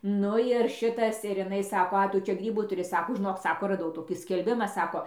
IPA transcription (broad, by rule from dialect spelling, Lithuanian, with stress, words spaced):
ˈnʊ ɪr ˈʃʲɪtɐs ɪr ɪˈnɐɪ ˈsɑːkoː ˈɐ ˈtʊ ˈt͡ʃʲɛ ˈɡrʲiːbuː tʊˈrʲɪ ˈsɑːkoː ʒʲɪˈnoːk ˈsɑːkoː rɐˈdɐʊ ˈtoːkʲiː sʲkʲɛlʲˈbʲɪmɐ ˈsɑːkoː